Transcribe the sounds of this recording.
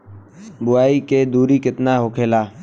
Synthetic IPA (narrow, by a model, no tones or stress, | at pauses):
bʊaːiːkeːd̪uːɾiːkɪt̪naːɦoːkʰeːlaː